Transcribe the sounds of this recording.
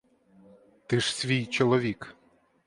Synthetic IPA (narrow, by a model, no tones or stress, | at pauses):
t̪ɪʃsʲʋʲijt͡ʃɔlˠɔʋʲik